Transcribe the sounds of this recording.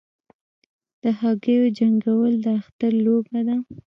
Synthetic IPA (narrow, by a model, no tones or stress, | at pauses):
d̪̥əhɑɡəjod͡ʒaŋɡawəld̪əaxt̪aɾlobad̪a